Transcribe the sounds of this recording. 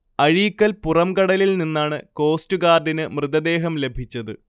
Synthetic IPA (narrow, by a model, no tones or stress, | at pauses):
ɐɻiːkːɐlpurɐmkɐɽɐlilninːaːɳɨko̞ːstuɡaːrɖinɨmrɨðɐd̪e̞ːɦɐmle̞bʱit͡ɕːɐðɨ